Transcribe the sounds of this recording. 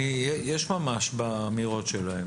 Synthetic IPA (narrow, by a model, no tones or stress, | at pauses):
ijjɛʃmamaʃbaːmiʁo̞tʃelae